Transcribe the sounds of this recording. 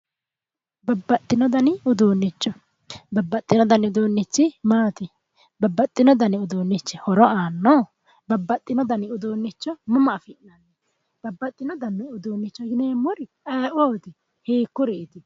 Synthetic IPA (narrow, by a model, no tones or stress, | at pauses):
bɐbːɐt̪ʼːɪnɔd̪ɐnɪʊd̪oːnːɪt͡ʃːɔ | bɐbːɐt̪ʼːɪnɔd̪ɐnɪʊd̪oːnːɪt͡ʃːɪmaːt̪ɪ | bɐbːɐt̪ʼːɪnɔd̪ɐnɪʊd̪oːnːɪt͡ʃːɪhɔɾɔaːnːɔ | bɐbːɐt̪ʼːɪnɔd̪ɐnɪʊd̪oːnːɪt͡ʃːɔmʊmɐːfɪnːɐnːɛ | b̥ɐbːɐt̪ʼːɪnɔd̪ɐnːɪʊd̪oːnːɪt͡ʃːɔɡɪneːmʊɾɪ | ɐoːt̪ɪ | heːkːʊɾɛːt̪ɪ